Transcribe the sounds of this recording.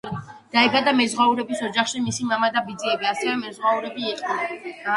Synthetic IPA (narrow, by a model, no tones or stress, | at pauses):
d̪̥aɛbad̪amɛzʁwauɾɛbisɔd͡ʒaχʃimisimamad̪abid̪ziɛbiasɛvɛmɛzʁwauɾɛbiːqʼn